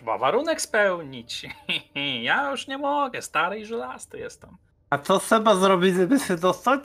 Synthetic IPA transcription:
ɛba̰vaɾunɛkspɛwɲit͡ɕ | jajuʂɲɛmɔɡɛst̪aɾɛiʐɛlast̪ɨjɛ̰st̪t̪am | at̪ɔsɛbazɾɔbʲizɛbɘsɘd̪ɔst̪at͡ɕ

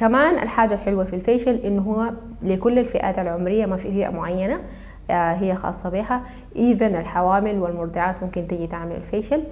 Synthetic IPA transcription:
kamaːnʔa̰lħaːd͡ʒalħɪlwafilfeːʃalʔɪnːɦʊwːa | lɪkʊlːalfiʔa̰ːt̪alʕʊmɾɪjːamafifiːʔa̰mʊʕajːana | ɦijːaxɑ̰ːsˤːɑbiːha | ʔiːðanalħawaːmɪlwɪlmʊɾˤd̪ɪʕaːt̪mʊmkɪnt̪ɪɡit̪aʕmɪla̰lfeːʃal

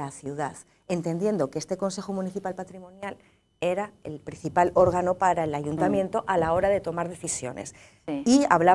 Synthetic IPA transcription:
aθjuðað | ent̪e̞nd̪je̞nd̪o̞keest̪e̞ko̞nse̞xomũniθipalpat̪ɾimõ̞njal | e̞ɾaḛlpɾin̟θipalo̞ɾɣano̞paɾae̞laʝunt̪amje̞nt̪o̞ʔalao̞ɾaðe̞t̪o̞maɾð̞e̞θisjo̞̰ne̞̰s | iaβla

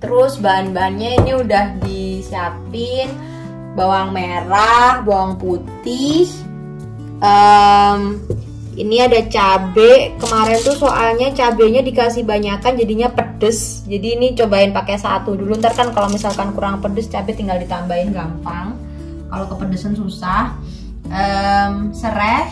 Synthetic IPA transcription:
t̪əɾʊsbaanbanɲainiudahdisiapɪn | bawaŋmeɾahbawaŋput̪ɪh | ʔəm | ʔḭniadat͡ʃabɛʔkəmaɾɛnt̪usoʔalɲat͡ʃabɛɲadikasihbaɲakand͡ʒadiɲapədəs | d͡ʒadiːnit͡ʃobaɪnpakesa̰t̪udulunt̪arkankalomisalkankuɾaŋpədəst͡ʃabɛt̪iŋɡaldit̪ambaɪnɡampaŋ | kalokəpədəsənsusah | ʔəmsəɾɛ

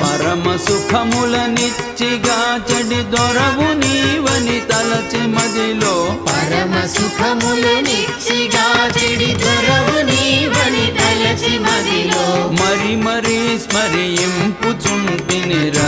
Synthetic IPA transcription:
pɐɾɐmɐsukʰɐmulɐnit͡ʃiɡat͡ʃeɖid̪ɔɾɐʋuniʋɐnit̪ɐlɐt͡ʃimɐd̪ilopɐɾɐmɐsukʰɐmulɐni | t͡ʃiɡat͡ʃeɖid̪ɔɾɐʋuniʋɐnit̪ɐlɐt͡ʃimɐd̪ilomɐɾimɐɾismɐɾijimpud͡ʒunpineɾɐ

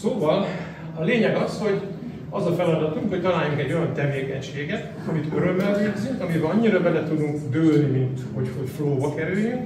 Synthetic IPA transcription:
soːvɒl | ɒleːɲɛɡɒsho̞ɟ | ɒzɒfɛlɒd̪ɒt̪uŋkho̞c̚t̪ɒlaːjːuŋkɛɟːo̞jɒnt̪ɛveːkɛɲʃeːɡɛt̪ | ɒmit̪øɾømːɛlveːɡzyŋkɒmibɛɒɲːiɾɒbɛnːɛt̪ud̪uŋkd̪øːlnimint̪ho̞cho̞cfloːbɒkɛɾyljyŋk

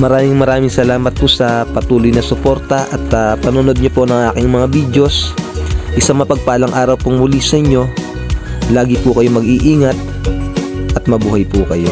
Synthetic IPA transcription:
mɐɾaːmɪŋmɐɾaːmɪŋsɐlaːmɐt̪̚pʊsɐpɐt̪uːlojnɐsʊpo̞ɾt̪ɐʔɐt̪ːpɐnʊno̞d̪̚ɲopo̞nɐŋʔaːkɪŋmɐŋabiːd̪jo̞s | ʔɪsaŋmːɐpɐɡ̚paːlɐŋʔaːɾɐwpʊŋmʊlisɐɲːo̞ | laːɡɪpʊkɐjomɐɡiʔiːŋɐt̪̚ | ʔɐt̪̚mɐbuːhɐjpʊkɐjo̞

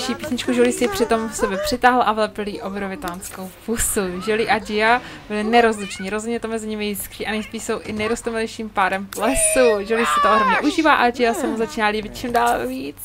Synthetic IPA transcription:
ʃiːpiːsɲɪt͡ʃkuʒolisɪpr̝̥ɪt̪o̞mfsɛbɛpr̥ɪt̪aːɦl̩ʔavlɛpɪliːʔobɾovɪt̪aːnskowpusuʒɛliʔad͡ʒɪabɪlɪnɛɾozlɪt͡ʃɲiːɾozɦodɲɛt̪omɛzɪɲɪmɪjɪskɾiːʔanɛjspiːʃso̞wʔɪnɛjɾost̪omɪlɛjʃiːmpaːɾɛmplɛsuʒolisɛt̪oʔoɦɾomɲɛʔuʒiːvaːʔad͡ʒɪjasamozat͡ʃiːnaːliːbɪt̪̚t͡ʃɪmdaːlviːt͡s

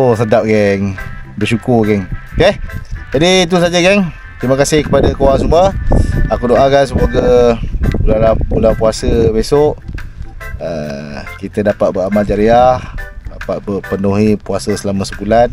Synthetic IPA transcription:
osədap̚ɡɛŋbəʃukʊrɡɛŋked͡ʒadit̪̬us̬ad͡ʒaɡɛŋ | t̪ɾiməkasɪhkə̥padakoaŋsumuəakudoʔakans̬əmoɡa | bulalabulapuasəbesoʔ | əkit̪ədapat̪̚bəamad͡ʒaɾiahdapat̪̚bəpənuɦipuasəsəlamasəbulan

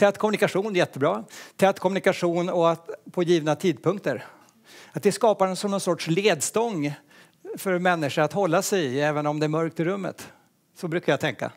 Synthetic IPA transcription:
t̪ʰɛt̪ːkʰɔmːɵnɪkaɧuːnjɛt̪ːəbɾɑːt̪ʰɛt̪ːkʰɔmːɵnɪkaɧuːnɔat̪pʰɔjiːvnat̪ʰiːd̪̚pʰɵŋk̚t̪əɾ | at̪̚d̪ɛskɑːpaɾnsɔmnɔnsɔʈʂleːd̪st̪ɔŋː | fœɾmɛnːɪʂəɾat̪hɔlːasɛjɪɛːvənɔmd̪ɛæɾmœɾk̚t̪ɪɾɵmːə̰t̪ | sɔbɾʉ̟ːkaɾjat̪ʰɛŋkːa̰

